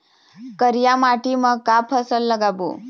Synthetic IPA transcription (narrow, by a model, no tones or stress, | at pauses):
kəɾjamaʈiməkapʰəsəlːəɡabṵ